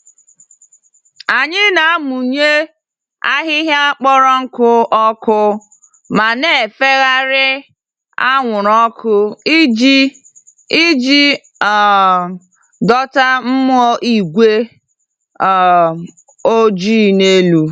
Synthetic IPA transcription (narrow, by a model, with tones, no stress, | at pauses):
a˨ɲɪ˦na˨a˦mu˨ɲe˦ | a˦ɦɪ˦ɦa˦k͡pɔ˦ɾɔ˦ŋ̩˦kʊ˦ʔɔ˦kʊ˦ | ma˨ne˨e˨fe˦ɣa˦ɾɪ˦ | a˦ŋʷʊ˨ɾɔ˦kʰʊ˦d͡ʒ | i˦d͡ʒi˦˨ | dɔ˦ta˦m̩˦mʊ˦ɔ˦ʔi˦ɡʷe˦˨ | o˦d͡ʒi˦˨ne˦lu˦